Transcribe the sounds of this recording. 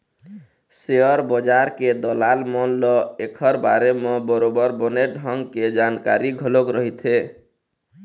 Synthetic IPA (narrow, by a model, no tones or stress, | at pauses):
seəɾbəd͡ʒaɾked̪əlalmɔnlɔekʰəɾbaɾemebəɾobəɾbəneɖʱəŋɡked͡ʒanka̰ɾiɡʱəlokɾəɦit̪ʰe